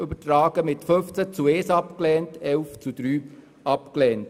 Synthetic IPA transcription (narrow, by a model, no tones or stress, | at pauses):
øbətɾaːɡ̥əmɪtfɵnft͡sæt͡sueːsɑpklɛːntɛlft͡sud̥̪ɾyː | ɑpklɛːnt